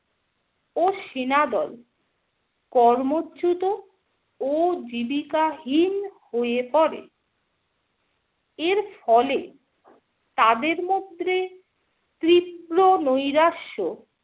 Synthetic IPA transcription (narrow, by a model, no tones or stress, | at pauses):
oʃinad̪ɔl | kɔɾmot͡ɕut̪o | od͡ʑibikaɦinhoepɔɾḛ | eɾfɔle | t̪ad̪eɾmod̪ʱːe | t̪ɾipɾonojɾaʃo